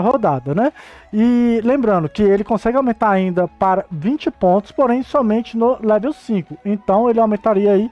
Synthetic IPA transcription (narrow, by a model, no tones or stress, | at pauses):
ɦod̪ad̪ɐnɛɪlẽmbɾɐ̃nd̪ʊkɪelɪkõsɛɡɪawmẽnt̪aɾaĩnd̪ɐpaɾɐvĩt͡ʃɪpõnt̪ʊ̥spoɾẽj̃sɔmẽt͡ʃɪnʊlɛvewsĩkʊẽt̪ɐ̃w̃elɪawmẽnt̪aɾiɐai